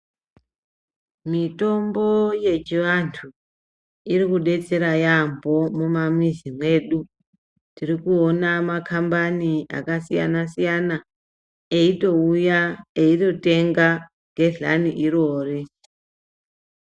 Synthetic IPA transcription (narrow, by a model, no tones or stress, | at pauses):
mito̞mbo̞je̞t͡ʃiʋantʰu | irikuɗe̞t͡se̞ɾajambʱo̞momamwizimwe̞ɗu | tirikuonamakʰambania̰kasija̰nasijana | eito̞ujaeito̞te̞ŋɡa | ɡʱe̞ɮa̰niʔiɾo̞ːri